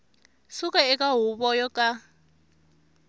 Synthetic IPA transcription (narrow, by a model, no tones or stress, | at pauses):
sukʼaɛk̬ʼaɦuɓɔjɔkʼa